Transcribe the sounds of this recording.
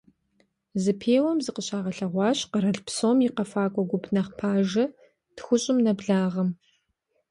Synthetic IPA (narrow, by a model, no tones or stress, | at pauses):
zɨpʰeːwɐmzɨqəɕaːʁɐɬɐʁʷɑːɕqəɾɐɬpsoːmiqɐfaːkʷʼɔɡʷʊpʰnɐχpʰaːʒɐ | txʷʊɕʼɪmnɐbɮaːʁɐm